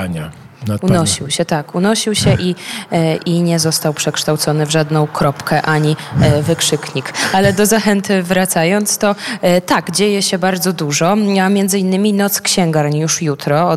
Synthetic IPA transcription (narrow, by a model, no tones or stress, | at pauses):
unnɔɕiwɕɛt̪akunɔɕiwɕɛʔiʔiɲɛzɔst̪awpʂɛkʂt̪awt̪sɔnɘvʐad̪nɔ̃w̃kɾɔpkɛʔaɲivɘkʂɘkɲikalɛd̪ɔzaxɛnt̪vɾat̪sajɔnt̪st̪ɔt̪aɡd͡ʑejɛɕɛbaɾd̪zɔd̪uʐɔamʲjɛnd̪zɘinːɘmʲinɔt̪skɕɛŋɡaɾɲjuʂjut̪ɾɔ